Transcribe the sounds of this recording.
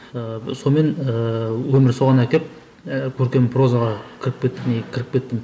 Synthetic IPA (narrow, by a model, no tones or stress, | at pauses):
əso̞me̞nəwɵmɪɾso̞ʁɑnækʲe̞p̚ | kʲʰɵɾkʲe̞mpʰɾo̞zaʁɑkʲʰɪɾɪk̚pʲkʲe̞t̪ːɪmekʰʲɪɾɪk̚pʲe̞t̪ːɪm